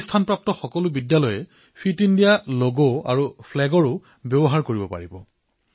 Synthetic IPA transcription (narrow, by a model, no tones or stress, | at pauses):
stʰanpɹap̚tɔxɔkɔlʊbidjalɔjɛ | pʰitindijaloɡoa̰ɹupʰlɛɡɔɹʊ | bjɔbɔɦaɹkoɹibɔpa̰ɹibɔ̰